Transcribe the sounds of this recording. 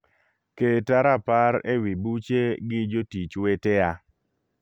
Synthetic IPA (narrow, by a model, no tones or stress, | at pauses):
ketaɾapaɾḛwibut͡ʃeɡɪd͡ʒotit͡ʃweteja